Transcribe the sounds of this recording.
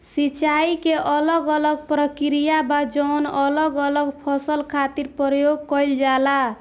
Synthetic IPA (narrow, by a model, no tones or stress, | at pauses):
sit͡ʃaikeʔələɡələɡpɾəkɾijabad͡ʒɔwnələɡələɡpʰɔsəlkʰat̪iɾpɾɔjoɡ̚kɔjld͡ʒala